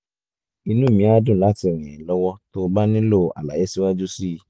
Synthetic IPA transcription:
i˧nũ˦˨mĩ˨˦a˦dũ˦˨la˦ti˨˧˨ɾ̃ĩ˨lɔ˦wɔ˦to˦˧ba˦nĩ˦lo˦˨a̰˨la̰˨e˨˦si˦wa˦d͡ʒu˦si˦˧

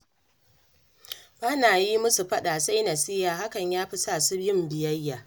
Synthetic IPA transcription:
baː˦naː˨ji˦mʊ˦su˨ɸɐ˦ɗaː˨sa˦jnɐ˨sɪ˦jaː˨ɦa˦kɐ˨ɲjaː˦ɸi˦saː˦˨su˦bɪ˦mbɪ˨jɐ˦jːaː˨

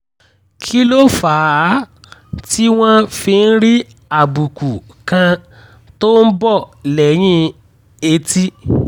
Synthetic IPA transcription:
kʰi˦lo˦faː˨˦ | ti˦w̃ɔ̃˦fi˧n̩˦ɾi˦ | a˨bu˨ku˨ | kã˧ | to˦n̩˦bɔ˦˨lɛ˨j̃ĩ˧˦ | e˧ti˦

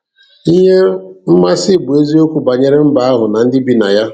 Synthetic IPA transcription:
i˦ɦe˦m̩˦ma˦sɪ˦˨bʊ˨e˦zi˦o˦kʷu˨ba˨ɲe˦ɾe˦m̩˦ba˦a˦ɦʊ˨na˨n̩˦dɪ˦bi˦na̰˨ja˦

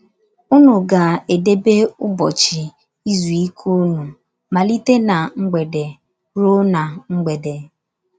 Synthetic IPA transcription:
u˦nu˨ɡa˨e˨de˦be˦ʊ˦bɔ˨t͡ʃi˨ | i˦zu˨i˦kʰu˦nu˨ | ma˨li˦te˦na˨ŋ͡m̩˦ɡ͡be˨de˨ | ɾo˦na˨ŋ͡m̩˦ɡ͡be˨de˨

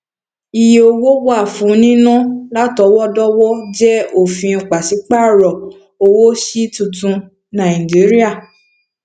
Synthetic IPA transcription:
i˨je˨˧o˧wo˦wa˦˨fũ˨˦nĩ˦nã˦la˦tɔ˨˦wɔ˦dɔ˦wɔ˦d͡ʒɛ˦o˦˨fĩ˧˨k͡pa˨si˨˦k͡pa˦˨ɾɔ˨ | o˧wo˦ʃi˦tũ˨tũ˧ | nã˨i˨d͡ʒi˨˦ɾi˦a˦˨

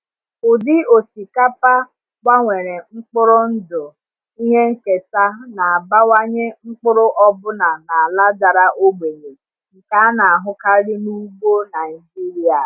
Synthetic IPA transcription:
ʊ˨dɪ˦o˨si˨ka˦pa˦ | kʷa˦ŋʷe˨ɾe˨ŋ͡m̩˦k͡pʊ˦ɾʊ˦n̩˦dʊ˨ | i˦ɦe˦ŋ̩˦ke˨ta˦na˨a˨ba˦wa˦ɲe˦ŋ͡m̩˦k͡pʊ˦ɾʊ˦ʔɔ˦bʊ˦na˨na˨a˨la˦da˨ɾa˦ʔo˦ɡ͡be˨ne˨ | ŋ̩˨ka˨˦na˨a˨ɦʊ˦ka˦ɾɪ˦nu˦ɡ͡bo˦na˨i˨d͡ʒi˦ɾi˨a˨

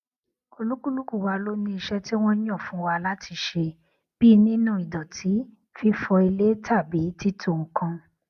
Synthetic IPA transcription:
o˧lu˦ku˦lu˦ku˦˨wa˧lo˦nĩ˧i˧ʃɛ˦ti˦w̃ɔ̃˦j̃ɔ̃˦˨fũ˨˦wa˧la˦tʰi˨˧ʃe˧ | b̥i˦nĩ˦nũ˦˨i˨dɔ˨tʰi˨˦ | fi˦fɔ˧i˧le˦tʰa˦˨bi˨˦ti˦tʰo˦˨kã˧

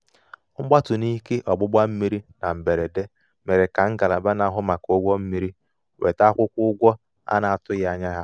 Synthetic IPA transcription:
ŋ͡m̩˦ɡ͡ba˦tʊ˨ni˦ke˦ʔɔ˨ɡ͡bʊ˦ɡ͡ba˦m̩˦mi˦ɾi˦na˨m̩˨be˨ɾe˨de˦ | me˨ɾe˨ka˨ŋ̩˦ɡa˨la˨ba˦na˦ɦʊ˦ma˨ko˦ɡʷɔ˦m̩˦mi˦ɾi˦ | we˨ta˦kʷʊ˦kʷʊ˦ʊ˦ɡʷɔ˦ | a̰˦na˨a˨tʊ˦ɣa˨ɲa˦ɦa˦

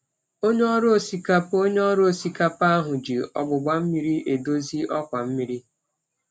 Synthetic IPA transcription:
o˦ɲe˦ɔ˦ɾo˦o˦˨si˨ka˦po˦ɲe˦ɔ˦ɾo˦o˨si˨ka˦pa˦ɦʊ˨d͡ʒi˨ɔ̰˨ɡ͡bʊ˨ɡ͡ba˨m̩˦mi˦ɾi˦ʔe˨do˦zi˦ɔ˦kʷa˨m̩˦mi˨ɾi˦

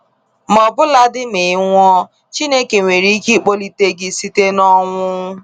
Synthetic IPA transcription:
m˨ɔ˨bʊ˦la˦dɪ˦me˨˦ŋʷɔ˦ | t͡ʃi˦ne˦ke˨ŋʷe˨ɾi˦ki˦˨k͡po˦li˦te˦ɡɪ˦si˦te˦nɔ˦ŋʷʊ˦ʊ˦

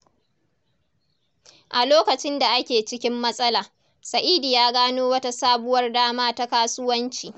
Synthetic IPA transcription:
ʔa˨loː˦kɐ˨t͡ʃɪ˦nda˨ʔa˦kʲeː˨t͡ʃɪ˦kʲɪ˦mːɐ˦sʼɐ˦laː˨ | sɐ˨ʔiː˦diː˨jaː˦ɡaː˦noː˦wɐ˦ta˦saː˦bʊ˦wɐ˦rdaː˦maː˦ta˦kaː˦sʊ˦wɐ˦nt͡ʃiː˨

